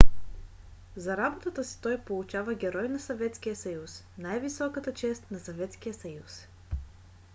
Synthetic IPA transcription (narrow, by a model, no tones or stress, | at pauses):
zɐɾabot̪ət̪əsi̥t̪ɔjpolˠut͡ʃavəɡʲɛɾɔjnɐsɐvɛt̪sk̟ijəsɐjus | najvisɔkət̪ət͡ʃɛst̪nɐsɐvɛt̪sk̟ijəsɐjus